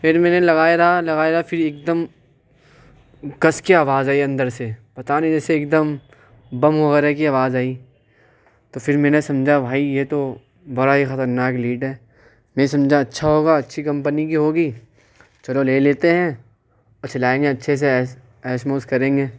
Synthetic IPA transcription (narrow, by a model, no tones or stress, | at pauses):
fɪɾmɛ̃ːnelɐɣaːeɾalɐɡaːeɾafʰɪɾeːk̚d̪əm | kɐskiaːʋaːzaːiɐ̃nd̪əɾsepɐt̪anĩd͡ʒɛːseːk̚d̪əm | bɐmɦoɣɛːɾɛkiaːʋaːzaːiː | t̪ofɪɾmɛ̃ːnesɐ̃md͡ʒʱabʱaːijet̪o | bɐɾaɦixɐt̪əɾnaːkliːʈɦɛː | mɛ̃ːsɐ̃md͡ʒʱaɐtːʃʰaɦoːɡaɐtːʃʰikɐ̃mpənikiɦoːɡiː | t͡ʃɐɽoleːleːt̪eɦɛ̃ | ɔːt͡ʃɐlaːẽːŋɡeɐtːʃʰes̬eː | ɛːsmoːskɐɾẽːŋɡeː